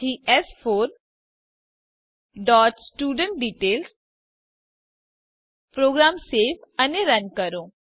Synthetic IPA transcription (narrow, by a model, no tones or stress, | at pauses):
iːɛspʰoːɾ | ɖɔːʈsʈuːɖəɳʈ̚ɖiːʈeːls | pɾoːɡɾaːmseːfʰɐneɾɐnkɐɾõː